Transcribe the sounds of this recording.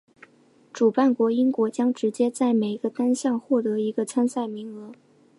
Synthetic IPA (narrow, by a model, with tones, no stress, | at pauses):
ʈ͡ʂu˨˩pa˥˩nkwɔ˧˥i˥ŋkwɔ˧˥t͡ɕjɑ˥ŋʈ͡ʂɻ̩˧˥t͡ɕjɛ˥t͡sa˥˩ɪme˨˩ɪ˧ɡ̥ə˧t̪a˥nɕjɑ˥˧ŋxwɔ˥˩t̪ɤ˧˥i˧˥ɡə˧t͡sʰa˥nsa˥˩ɪmi˧˥ŋɤ˧˥